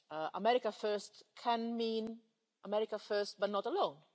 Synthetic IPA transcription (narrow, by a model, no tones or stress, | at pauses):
əʔəmɛɹɪkəfɜstkʰɛ̃nmĩn | əmɛɹɪkəfɜst̚batnɔtəlõʊ̃n